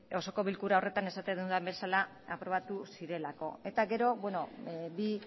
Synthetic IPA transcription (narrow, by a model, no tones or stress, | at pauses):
o̞so̞ko̞βilkuɾao̞re̞t̪ane̞sat̪end̪und̪ambesala | apɾo̞βat̪usiɾe̞lako̞̰e̞t̪aɡe̞ɾo̞βwe̞no̞bi